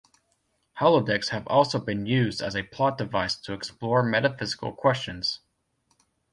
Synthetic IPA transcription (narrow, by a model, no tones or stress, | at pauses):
hɑlˠədɛkshɨvɔlˠsoʊbɨ̃njʉzdɨ̰zɨpʰl̥ɑt̚d̥ɨvaɪstʰəːksplɔɹmɛɾɨfɪzɨ̥kl̩ˠkʰw̥ɛst͡ʃɨ̃nz̥